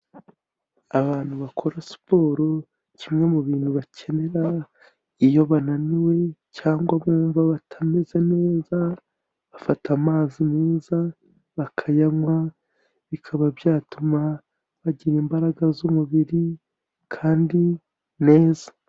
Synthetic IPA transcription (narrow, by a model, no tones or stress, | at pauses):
aβaːn̥huβakʰo̞ɾasu̥po̞ːɾo̞ | cimŋe̞muβiːnhuβacʰe̞ne̞ɾa | ijo̞βananiwe̞caːŋɡwaβuːɱvaβatʰameze̞ne̞ːza | βafatamaːzimiːza | βakʰajamwa | βikʰaβabjaːtuma | βaɟiɾiːmbaɾaɡazumuβiɾi | kʰaːndi | ne̞ːzḁ